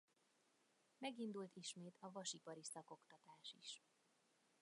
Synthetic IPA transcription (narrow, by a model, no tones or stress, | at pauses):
mɛɡind̪ult̪iʃmeːt̪ʰɒvɒʃipɒɾisɒko̞kt̪ɒt̪aːʃiʃ